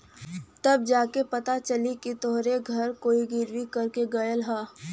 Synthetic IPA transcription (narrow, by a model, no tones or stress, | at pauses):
t̪ɐb̚d͡ʒaːkepɐt̪at͡ʃɐlikit̪oɦɾeɡʱɐɾkoːiɡɪɾwikɐɾkeɡɐjəlɦaː